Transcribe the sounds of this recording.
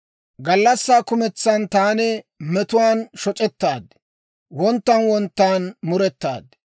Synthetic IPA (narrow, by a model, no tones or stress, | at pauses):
ɡɐlːɐsːaːkʊmɛt͡sːɐnt̪aːnɛmɛt̪ʊwaːnʃɔt͡ʃʼɛt̪ːaːd̪ | wɔnt̪ːɐnwɔnt̪ːaːnmʊɾɛt̪ːa̰ːd̪